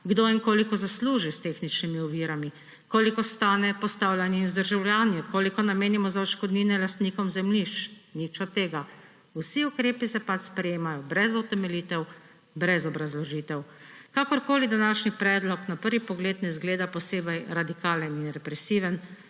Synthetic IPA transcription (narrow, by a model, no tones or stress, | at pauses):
ɡd̪oiŋkoːlikɔzasluːʒist̪eːxnit͡ʃnimiɔʋiɾami | koːlikɔst̪aːnɛpɔst̪aːwlʲjanjɛzd̪əɾʒawlʲjaːnjɛkʰoːlikɔnameːnimɔzaɔʃkɔd̪niːnɛlast̪niːkɔmzɛmliʃt͡ʃnit͡ʃɔt̪ːeːɡa | wsiukɾeːpisɛpat͡ʃspɾɛjeːmajɔbɾɛzɔt̪ɛmɛliːt̪ɛw | bɾɛzɔbɾazlɔʒiːt̪ɛw | kakɔɾkoːlid̪anaːʃnipɾɛːd̪lɔknapəɾʋipɔɡleːt̪nɛzɡleːd̪apɔseːbɛjɾad̪ikaːləninɾɛpɾɛsiːʋɛn